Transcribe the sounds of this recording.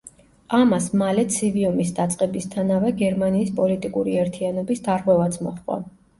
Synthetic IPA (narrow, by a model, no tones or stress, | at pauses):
amasmalɛt̪sʰiviɔmisd̪at̪sʼqʼɛbist̪ʰanavɛɡɛɾmaniːspʼɔlit̪ʼikʼuɾiɛɾt̪ʰianɔbisd̪aɾʁwɛvat̪sʰmɔ̰χqʼva̰